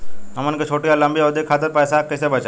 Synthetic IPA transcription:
ɦɐmənket͡ʃʰoːʈijalɐmbiɔːd̪ekʰaːt̪əɾpɛːsakɛsebət͡ʃa

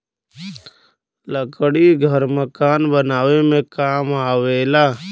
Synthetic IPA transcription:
ləkəɽiɡʱəɾməkaːnbənaːwemẽkaːmaːweːlaː

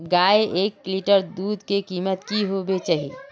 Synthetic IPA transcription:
ɡaeʔeːkliʈəɾd̪uːd̪ʱkekiːmət̪kiɦobet͡ʃaːɦḭ

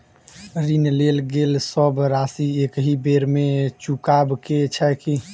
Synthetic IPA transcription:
ɾinlelɡelsəbɾasiekɦibeɾmet͡ʃukabket͡ʃʰɛki

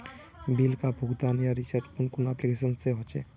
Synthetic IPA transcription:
bilkabʱuɡd̪anjaɾisəɾt͡ʃkunkunaplikesənseɦot͡ʃɛ̰

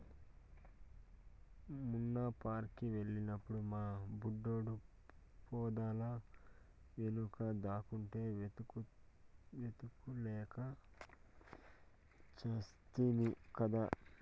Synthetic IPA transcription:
munːapaːɾkːiʋe̞ɭːinɐpːuɽumaːbuɖːo̞ːɽu | pɔːd̪aːlɐ | ʋenukɐd̪aːkuɳʈe̞ː | ʋet̪ukulɛːkɐ | t͡ʃɐst̪iːnikɐd̪aː

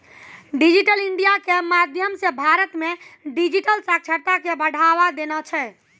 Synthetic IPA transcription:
ɖid͡ʒiʈəliɳɖijakemad̪ʱjəmsebʱaɾət̪meɖid͡ʒiʈəlsak̚t͡ʃʰəɾt̪akebəɽ̤ʱaʋad̪enat͡ʃʰɛ

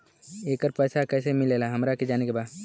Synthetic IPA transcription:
eːkəɾpɛːsakɛːsemɪleːlaɦɐmɾaked͡ʒaːnekebaːd̪

